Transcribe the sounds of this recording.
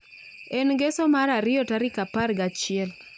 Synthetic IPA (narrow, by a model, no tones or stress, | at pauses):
enɡesomaɾaɾɪjɔtaɾɪkapaɾɡat͡ʃɪɛl